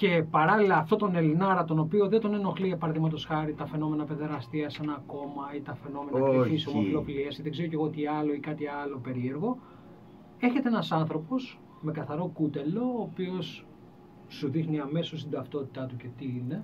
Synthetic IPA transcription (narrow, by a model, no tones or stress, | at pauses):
ce̞pɐɾɐlilɐːft̪o̞t̪o̞ne̞linɐɾɐt̪o̞no̞pio̞ðed̪o̞neno̞xliepɐɾðimɐt̪osxɐɾit̪ɐfe̞no̞me̞nɐpeðeɾɐst̪iɐsenɐko̞mɐit̪ɐfe̞no̞me̞nɐfisomofilofiliɐsiðeɡze̞ɾoce̞ɣot̪iɐlo̞ikɐt̪iɐlo̞pe̞ɾie̞ɾɣo̞ | e̞çet̪eenɐsɐnθɾo̞po̞s | me̞kɐθɐɾo̞kut̪e̞lo̞ːpio̞sː | uðixniɐme̞sost̪id̪ɐft̪o̞t̪i̥t̪ɐt̪uce̞t̪iine̞